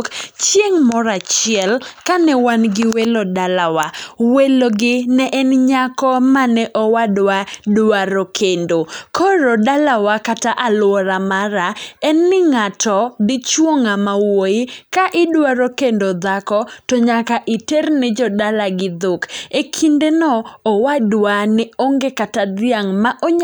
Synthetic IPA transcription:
kt͡ʃjeŋmɔɾat͡ʃɪɛlkanɛwanɡɪwelodalawaweloɡɪnɛʔɛnɲakɔmanɛʔɔwadwadwaɾokʰendokʰɔɾodalawakataʔalʊwɔɾamaɾaɛnːɪŋatʰɔdɪt͡ʃwoŋamawoɪkaʔɪdwaɾokendod̪akɔtɔɲakaʔɪternɪd͡ʒɔdalaɡɪd̪ʊkekʰindenɔːwadwanɪoŋɡekatad̪ɪaŋmaʔoɲ

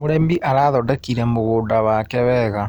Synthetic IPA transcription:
oɾembiʔaɾaːðɔdɛkiɾɛmoɣoːndawakɛβɛːɣa

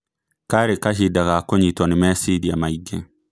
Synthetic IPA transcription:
kaɾekaʃidakakoɲitɔnɪmɛsidiamaiɡe

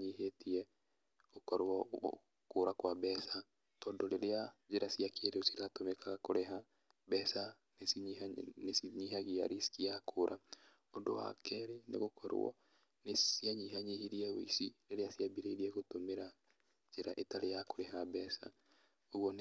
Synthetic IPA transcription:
ɲiɦetiɛ | okɔɾɔ̰ | koːɾakwabɛsa | tɔːndɔleɾead͡ʒeɾasiakʰeɾeosiɾatomekaɣakoɾeɦa | bɛsa | nesinesiɲiɦaɣia̰ɾiskiakʰoɾʔa | ondo̰wa̰kɛɾenḛɣokʰɔɾ̰wɔ̰ | nesiaɲiɦaɲihiɾiɛweisiɾeɾeasiabiɾeiɾiɛɣotomeɾa | d͡ʒeɾaʔetaɾejakoɾeɦabɛsa̰ | oɣwɔn

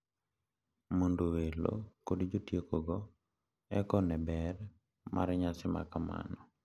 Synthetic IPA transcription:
mondowelo̰kodd͡ʒotjekoɡɔ | ɛkɔnɛbɛɾ | mʔa̰ɾɲasɪma̰kama̰nɔ

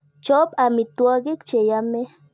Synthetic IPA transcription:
t͡ʃopamit̪waɡikt͡ʃejame

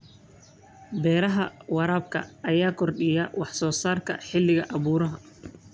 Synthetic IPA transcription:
bɛːɾɐɦɐwɑɾaːbkʰɐ̰ʔːjaːkʰɔrɗɪjɐwɑħsɔːsaːrkʰɐ̰ħɪlːɪɣɐʔɐβuːɾɐɦɐ

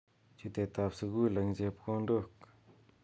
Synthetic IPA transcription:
t͡ɕət̪et̪ap̚səkwilaŋzepkoɳɖ͡ʐok

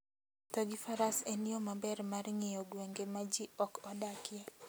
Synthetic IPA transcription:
toɡɪfaɾaseniomabɛrmarŋejoɡweŋɡemad͡ʒiɔkɔdakɪjɛ

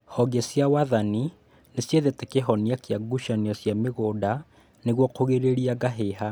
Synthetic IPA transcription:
hɔɡesjawaðani | nesjeðetekeɦɔniakjaɡuʃaniasjameɣoda | neɣwɔkoɣeɾeɾiaɡaɦeɦa

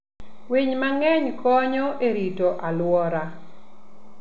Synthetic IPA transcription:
wiɲmaŋɛɲkɔɲɔʔeɾitoʔalwɔɾa

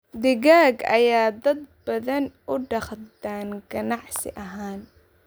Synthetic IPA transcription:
d̪ɪɣaːɡɐ̰jaːd̪ɐd̪bɐðɐnʊɖɑχd̪aːnɡɐnɑʕsɪ̰ʔɐɦaːn

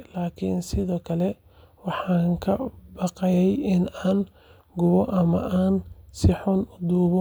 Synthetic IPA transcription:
laːkʰḭnsɪðɔːkʰɐlɛ | wɑħɑːŋkʰɐbɑqɛjɛjɪnaːn | ɡʊβɔʔɐmɐ̰ʔaːnsɪħʊnʊd̪uːβɔ

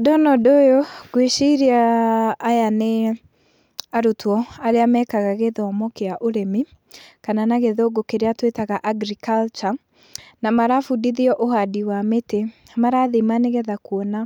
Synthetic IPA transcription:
dɔnɔdojoɡweʃiɾiaː | jane | aɾotwɔaɾeamɛkaɣaɣeðɔmɔkeaʔoɾemi | kananaɣeðoɡokeɾeatwetaɣaʔaɡɾikalt͡ʃa | namaɾafudiðiɔʔoɦadiwamete | maɾaðemaneɣɛðakwɔna

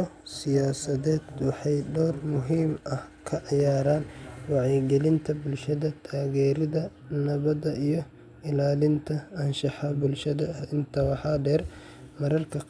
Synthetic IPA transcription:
ɔsɪjaːsɐðɛːd̪wɑħɑjɖɔːrmʊɦiːmɐhkʰɐʕɑjaːɾaːnwɑʕɛɡɛlɪnt̪ʰɐbʊlʃɐðɐt̪ʰaːɣɛːɾɪðɐ | nɐβɐðɐʔijɞ | ɪlaːlɪnt̪ʰɐːnʃɑħɑbʊlʃɐðɐɐhɪnt̪ʰɐwɑħɑːɖɛːr | mɐɾɐrkʰɐ

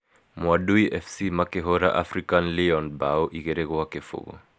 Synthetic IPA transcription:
mwaɗuiʔɛfsimakɛɦɔɾa̰ʔa̰fɾikanliɔnbaɔʔiɣɛɾɛɣɔakɛfṵɣɔ̰

